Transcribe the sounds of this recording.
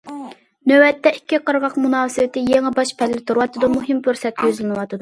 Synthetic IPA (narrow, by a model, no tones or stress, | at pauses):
nøwɛt̪ːɛikʲʰːiqəɾʁɑqmunɑːsɨwɪt̪ʰɪjeŋɪbɑʃpʰɛlːɪt̪ʰuɾwɑt̪ɨd̪umuɦɪmpʰʲøɾsɛt̪̚ɡʲøzlɪnɨwɑt̪ʰɨd̪u